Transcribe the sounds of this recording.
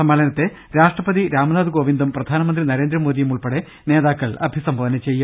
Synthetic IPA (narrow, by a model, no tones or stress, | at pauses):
ɐmaːɭɐnɐt̪ːe | ɾaːʂʈrɐpɐðiɾaːmɐnaːd̪uɡo̞ːʋind̪umprɐd̪ʱaːnɐmɐnd̪rinɐɾeːnd̪ɾɐmo̞ːd̪ijumuɭpɐɽe | ne̞ːðaːkːɐɭɐ̰bʱisɐmboːɐnɐt͡ɕe̞jːu